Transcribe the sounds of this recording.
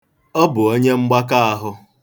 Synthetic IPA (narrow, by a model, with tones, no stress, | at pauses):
ɔ˦bʊ˨o˦ɲe˦ŋ͡m̩˦ɡ͡ba˦ka˦a˦ɦʊ˦